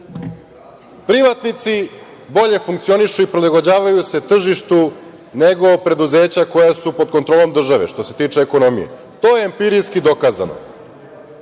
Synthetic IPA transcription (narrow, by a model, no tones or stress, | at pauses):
pɾiʋat̪nit̪si | bo̞ʎe̞fuŋkt̪sioniʃuipɾilaɡod͡ʑaːʋajuse̞t̪r̩ʒiʃt̪u | ne̞ɡo̞opɾe̞d̪uze̞ːt͡ɕako̞jasupo̞d̪̚kont̪ɾolo̞md̪r̩ʒaʋe̞̰ʃt̪o̞se̞t̪iːt͡ʂeːko̞no̞mijḛ | t̪o̞ːjeːmpiɾiskid̪o̞kaza̰no̰